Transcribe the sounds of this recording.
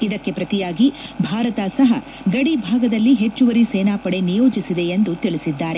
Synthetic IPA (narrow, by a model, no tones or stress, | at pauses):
id̪ɐkːe̞pɾɐt̪ijaːɡibʱaːɾɐt̪asɐɦɐ̰ | ɡɐɽibʱaːɡɐd̪ɐlːiɦe̞t͡ʃːuʋɐɾiseːnaːpɐɽe̞nijo̞ːd͡ʒisid̪e̞end̪ut̪iɭisid̪ːaːɾe